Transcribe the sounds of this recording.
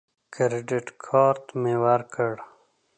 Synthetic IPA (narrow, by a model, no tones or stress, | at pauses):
kɾeɖiʈkʰɔːɾt̪mewaɾkəɽ